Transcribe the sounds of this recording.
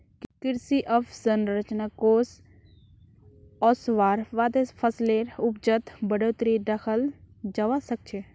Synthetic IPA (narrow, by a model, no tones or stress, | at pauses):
kɪɾsiʔɔfʰsənɾət͡ʃnakoːs | ɔːsʋaːɾʋaːd̪epʰəsleɾʊp̚d͡ʒət̪bəɽoːt̪ɾiɖ̪əxʰəld͡ʒaʋasək̚t͡ʃʰeː